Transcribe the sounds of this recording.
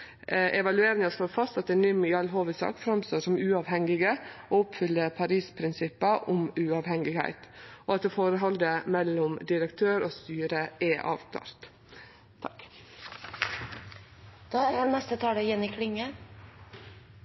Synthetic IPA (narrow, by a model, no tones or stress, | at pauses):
ʔɛʋɑlʉeːɾɪŋɑʂloːɾfɑst̪ɑt̪̚d̪ɛnʏmjɑlɦoːʋəsɑ̰ːkfɾɑmst̪oːʂɔmʉːɑːʋhɛŋɪɡəʔoːʊpfʏlːəpʰɑɾiːspʰɾɪnsɪpːəʔʊmʉɑːʋhɛŋɪɡhæ̰ɪt̪ɔɑt̪̚d̪ɛfoːɾəɦɔld̪əmɛlːʊmd̪ɪɾəkt̪ʰøːɾoːst̪yːɾəʔɛʔɑ̰ːʋt̪ʰɑ̰ːɾt̪ | t̪ʰɑk | d̪̥ɑːæɾhɑnɛst̪ət̪ʰɑːləjɛnɪkʰlɪŋə